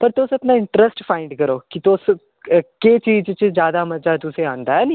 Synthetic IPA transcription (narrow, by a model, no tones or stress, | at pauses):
pɐɾt̪oːsɐp̪naɪ̃ɳʈɾəsʈfãːɪ̃ɳɖkɐɾoːkit̪oːs | ket͡ʃiːd͡ʒt͡ʃəd͡ʒjaːd̪amɐd͡ʒat̪useãːnd̪aɦɛni